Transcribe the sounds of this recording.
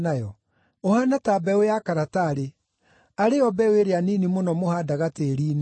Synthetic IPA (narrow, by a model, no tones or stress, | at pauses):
najɔ | ohanatabɛojakaɾataːɾe | aɾeɔbɛweɾeaninimonɔmohadaɣateːɾiːn